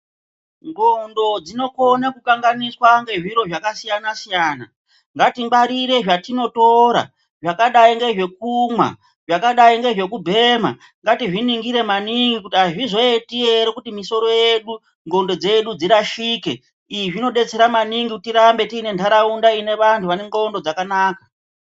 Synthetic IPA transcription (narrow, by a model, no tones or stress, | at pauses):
ŋɡondo̞d͡zino̞ko̞nakukaŋɡaniswaŋɡeʐiɾo̞ʐakasijanasijaːna | ŋɡatiŋɡ͡baɾiɾe̞ʐatino̞to̞ɾa̰ | ʐakaɗaiŋɡe̞ʐe̞k̚umwa̰ | ʐakaɗaiŋɡe̞ʐe̞kubʱe̞ma̰ | ŋɡatiʐiniŋɡiɾe̞maniŋɡikutiaʐizo̞etieɾekutimiso̞ɾo̞je̞ɗu | ŋɡondo̞d͡ze̞ɗud͡ziɾaʃiːke̞ | iʐino̞ɗe̞t͡se̞ɾamaniŋɡikutiɾambe̞tiːne̞ntʰaɾaundaine̞ʋantʰuʋaneŋɡoːndo̞d͡zakanaːkḁ